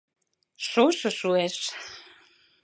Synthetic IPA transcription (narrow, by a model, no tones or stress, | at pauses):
ʃoʃə̆ʃueʃ